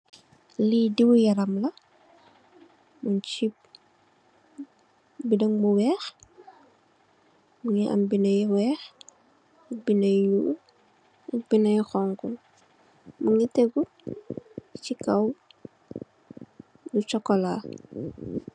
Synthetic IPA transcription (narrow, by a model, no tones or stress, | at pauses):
lidiwujɐɾɐmlɐ | muɲt͡ʃip̚ | bidɐŋbuwɛːx | muŋiʔɐ̰mbinɐjwɛːx | binɐju | binɐjuxɔŋku | muŋitɛɡu | t͡ʃikɐw | dut͡ʃɔkːɔla̰ː